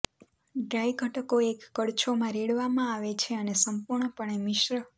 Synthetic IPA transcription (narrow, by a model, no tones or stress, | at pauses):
ɖɾajɡʱəʈəkoekːəɽt͡ʃʰomãɾeɽʋamãaʋet͡ʃʰeənesəmpuɾɳəpəɳemɪʃɾə